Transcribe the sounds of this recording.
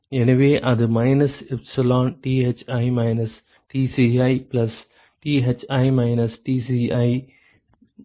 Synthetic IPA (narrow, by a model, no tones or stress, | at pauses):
eniʋeːʔad̪əmaːɪnəsɪbsɪlɔ̃ːnʈiːeːt͡ʃaːimaːɪnəs | ʈiːsiaːiplɐs | ʈiːɦet͡ʃaːɪmaːɪnəsʈiːsiaːi